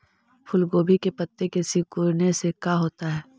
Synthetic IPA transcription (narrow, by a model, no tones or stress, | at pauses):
pʰʊlɡoːbʱikepɐt̪ːekesɪkuɾnesekaɦoːt̪aɦɛː